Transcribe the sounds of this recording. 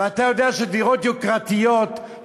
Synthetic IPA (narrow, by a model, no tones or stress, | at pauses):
at̪ajo̞deaʃediʁot̪̚jokʁat̪ijot